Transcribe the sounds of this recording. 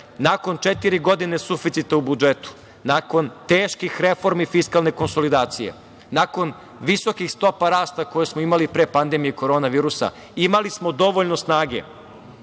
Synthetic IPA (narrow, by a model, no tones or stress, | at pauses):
nako̞nt͡ʂet̪iɾiɡo̞d̪ine̞sufit̪sit̪aubud͡ʒet̪u̥ | nako̞nt̪eːʃkixɾefoɾmifiskalne̞ko̞nso̞lid̪aːt̪sijḛ | nako̞n | ʋiso̞kixst̪o̞paɾaːst̪ako̞jesmoimalipɾepand̪emijeko̞ɾo̞ːnaʋiːɾusa̰ | imalismo̞d̪o̞ʋoʎno̞snaːɡe̞̰